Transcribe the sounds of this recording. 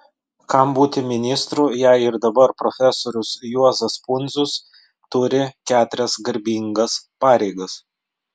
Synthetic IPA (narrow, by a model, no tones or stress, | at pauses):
kɐmbuːt̪ʲɪmʲɪnʲɪst̪ɾuːjɛɪɪɾd̪ɐbɐɾpɾofʲɛsoːɾʲʊsjuɔzɐspʊnʲˑd̪zʊs | t̪ʊɾʲɪkʲæːt̪ʊɾʲɛsɡɐɾʲbʲiŋɡɐspɑːɾʲɛɪɡɐs